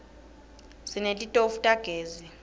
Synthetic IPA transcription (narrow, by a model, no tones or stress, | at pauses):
sinelʼitʼofutʼaɡ̥ʱeːzi